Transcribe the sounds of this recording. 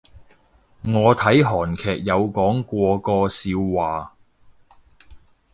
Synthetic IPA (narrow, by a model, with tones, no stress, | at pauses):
ŋɔː˨˧t̪ʰɐ˨˥jɦɔː˨˩nkʰɛː˨k̚jɐ˨˧wkɔː˨˥ŋkʷɔː˧kɔː˧siː˧wːaː˨˩